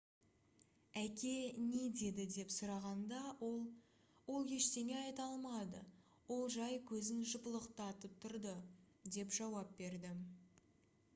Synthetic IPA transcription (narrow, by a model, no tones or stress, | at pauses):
ækʲe̞ne̞d̪e̞d̪ɪd̪e̞psʊɾɑʁɑnd̪ɑwolˠ | wo̞lˠjʲe̞ʃt̪e̞ne̞ɑjt̪ɑlˠmɑd̪ə | wo̞lˠʒɑjkʲʰɵzɪnʒʊpəlˠəqt̪ɑt̪əp̚t̪ʰʊɾd̪ə | d̪e̞pʒ̥ɑwɑp̚be̞ɾd̪ɪ